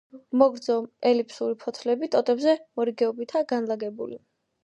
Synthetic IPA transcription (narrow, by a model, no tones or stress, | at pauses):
mɔɡɾd̪zɔɛlipʰsuɾipʰɔt̪ʰlɛbit̪ʼɔt̪ʼɛbzɛmɔɾiɡɛɔbit̪ʰaɡanlaɡɛbṵli